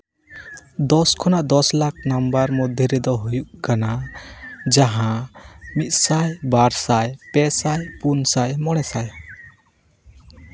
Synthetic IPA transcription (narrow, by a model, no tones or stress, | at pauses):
d̪ɔskʰɔnaʔd̪ɔslakʰnambaɾmɔd̪ʱjəɾɛd̪ɔɦujuʔkana | d͡ʒaɦãmit̪̚sajbaɾsajpɛsajpunsajmɔɽ̃ɛsaj